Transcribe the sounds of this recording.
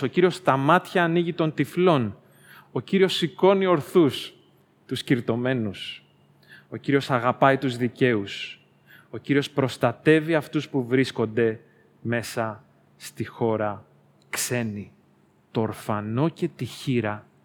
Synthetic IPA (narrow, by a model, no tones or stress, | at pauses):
o̞ciɾio̞st̪ɐmɐt̪çɐːniʝit̪o̞nt̪iflo̞n | o̞ciɾio̞siko̞nio̞ɾθus | t̪usciɾt̪o̞me̞nus | o̞ciɾio̞sɐɣɐpɐit̪uzðice̞us | o̞ciɾio̞spɾo̞st̪ɐt̪e̞viɐft̪uspuvɾisko̞nd̪e̞ | me̞sɐ | st̪ixo̞ɾɐ | kse̞ni | t̪o̞ːɾfɐno̞ce̞t̪içiɾɐ